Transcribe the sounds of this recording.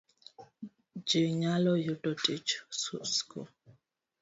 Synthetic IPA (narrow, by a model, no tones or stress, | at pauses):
d͡ʒiɲalɔjutɔtʼit͡ʃususkɔ̰